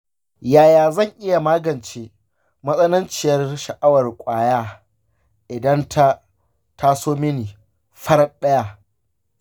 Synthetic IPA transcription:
jaː˨jaː˨zɐ˦˨ŋʔɪ˦ja˨maː˦ɡɐ˨nt͡ʃeː˦ | mɐ˦sʼɐ˦nɪ˦nt͡ʃɪ˨jɐ˦rʃɐ˨ʔa˦wɐ˨rkʷʼaː˨jaː˦ | ʔɪ˨dɐ˦ntʰa˦ | tʰa˦soː˦mɪ˦niː˨ | ɸɐ˦rɗɐ˦ja˦

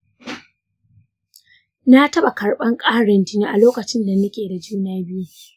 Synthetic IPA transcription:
na˦tɐ˦ɓa˨kɐ˨ɽɓɐ˦ŋkʼaː˦ɽɐ˨ntɪ˦ni˦˨ʔa˨loː˦kɐ˨t͡ʃɪ˦nda˨nɐ˦kʲeː˨da˨d͡ʒuː˦naː˦bɪ˦ju˦

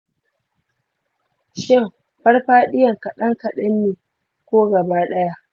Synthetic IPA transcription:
ʃɪ˦˨m | ɸɐ˦rɸaː˦ɗɪ˦jɐ˨ŋkɐ˨ɗɐ˦ŋkɐ˨ɗɐ˦mːiː˨ | kʷoː˦ɡɐ˨baː˦ɗɐ˦ja˦ʔ

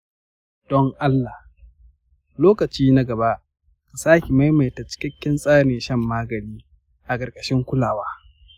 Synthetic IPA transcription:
d̥ɔ˦ŋʔa˦lːa˨h | loː˦kɐ˨t͡ʃiː˦na˦ɡɐ˨ba˦ʔ | ka˨saː˦kʲi˨ma˦jma˨jta˨t͡ʃɪ̥˦kʲɪ˦kʲːɪ˦nsʼaː˦neː˨ʃɐ˦mːaː˦ɡɐ˨ɽiː˦ | ʔa˨kʼɐ˨rkʼɐ̥˨ʃɪ˦ŋkʷʊ˦laː˨waː˦

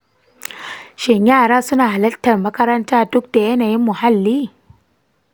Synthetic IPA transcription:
ʃɛ˨ɲaː˦˨ɾaː˦su˦na˨ha˨lɐ˦tːɐ˨rmɐ˦kɐ˦ɾɐ˦ntaː˦˨dʊ˦k̚de˨je˦na˨ji˦mːu˨ha˦˨lːi˦

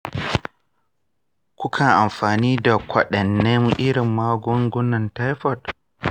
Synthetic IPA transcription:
kʷʊ˦kʰa˨ʔa˨mɸaː˨niː˦da˨kʷʰɐ˨ɗɐ˨nːɛ˦ŋʔɪ˦ɽɪ˨mːaː˦ɡɔ˦ŋɡʷʊ˦nɐ˨nta˦jɸɔ˨t

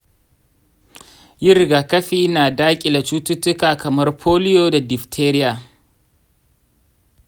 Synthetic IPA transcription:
jɪ˦ɾɡaː˨kɐ˦ɸiː˦naː˨daː˦kʲʼɪ˨la˨t͡ʃuː˦tʊ˦tʊ˦kaː˨kɐ˨mɐ˦rpʰoː˦lɪ˦joː˨da˨dɪ˨ɸtʰeː˦ɾɪ˦jaː˨

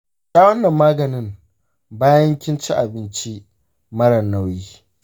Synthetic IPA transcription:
taː˦wɐ˦nːɐ˨mːaː˦ɡɐ˨nɪ˦m | baː˦jɐ˦ŋkʲɪ˦nt͡ʃi˦ʔa˨bɪ˦nt͡ʃi˦ | mɐ˦ɽɐ˨nːa˦˨wjiː˦

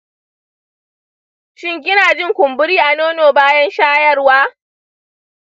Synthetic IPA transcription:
ʃɪ˦ŋk̬ʲɪ˦naː˨d͡ʒɪ˦ŋkʷʊ˨mbʊ˦ɽiː˦ʔa˨noː˦noː˨baː˦jɐ˦nʃaː˦jɐ˦rwaː˦

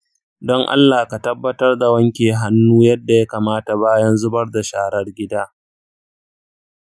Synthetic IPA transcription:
dɔ˦ŋʔa̰˦lːaː˨ka˨tɐ˦bːɐ˦tɐ˦rda˨wɐ˦ŋkʲeː˨ɦa˦nːuː˦jɐ˦dːa˨ja˦kaː˨maː˦ta˨baː˦jɐ˦nzʊ˦bɐ˦rda˨ʃaː˨ɽɐ˦rɡʲɪ˦daː˦

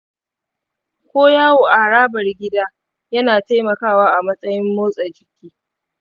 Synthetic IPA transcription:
kʷoː˦jaː˦woː˨ʔa˨ɽaː˦bɐ˨rɡʲɪ˦daː˦ | jɐ˦naː˨ta˦jmɐ˨kaː˦˨waː˦ʔa˨mɐ˦sʼɐ˦jɪ˦mːoː˦sʼɐ˨d͡ʒɪ˨kʲiː˦

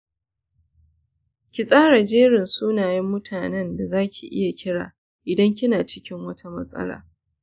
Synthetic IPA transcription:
kʲɪ˨sʼaː˦ɽa˨d͡ʒeː˦ɽɪ˨nsuː˦naː˨jɪ˦mːʊ˦tʰaː˨nɛ˦nda˨zaː˦kʲʰi˨ʔɪ̰˦ja˨kʲɪ˦ɽa̰ː˨ | ʔɪ˨dɐ˦ŋkʲɪ˦naː˨t͡ʃɪ˦kʲɪ˦ŋwɐ˦tʰa˦mɐ̰˦sʼɐ̰˦la̰ː˨

